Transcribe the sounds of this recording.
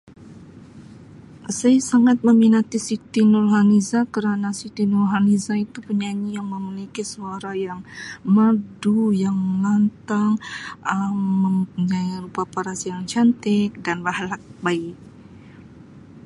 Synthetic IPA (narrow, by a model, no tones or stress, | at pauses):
sajsaŋat̪̚məminat̪isit̪inulɦanizakəɾanasit̪inulɦanizait̪upəɲaɲijaŋməmilikisuaɾajaŋmədujaŋməlant̪aŋəmːəmpuɲarupapaɾasijaŋt͡ʃant̪ɛk̚danbahlak̚baɪk̚